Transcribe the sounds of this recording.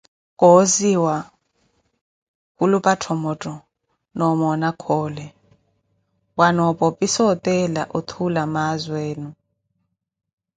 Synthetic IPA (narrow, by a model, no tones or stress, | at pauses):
kʼɔziwa | kulupʼatʰɔmɔtʼɔ | nɔmɔnakʰɔːlɛ | wanɔpʼɔpʼisɔtʼɛla̰ʔɔt̪ʰulamazweːnu